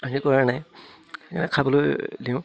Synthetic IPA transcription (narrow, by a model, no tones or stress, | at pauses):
aɦikɔɹanaj | kanɛkʰabɔlojdiʊ̃